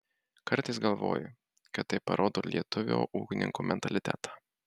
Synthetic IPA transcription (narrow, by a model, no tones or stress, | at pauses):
kɐɾt̪ɐɪsɡɐlˠʋo̰ːjʊ | kɐt̪ːɐɪppːɐɾʔoːd̪oːlʲiɛt̪ʊʋʲo̰ːʔuːkʲɪnʲɪ̰ŋkuːmʲɛnt̪ɐlʲɪt̪ʲæ̰ːt̪ɑː